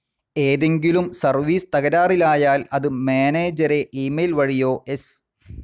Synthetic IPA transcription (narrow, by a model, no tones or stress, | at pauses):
eːðe̞ŋɡilumsɐrʋiːst̪ɐɣɐɾaːrilaːjaːlɐðɨmeːneːd͡ʑɐɾeʔiːmejlʋɐɻijo̞ːʔes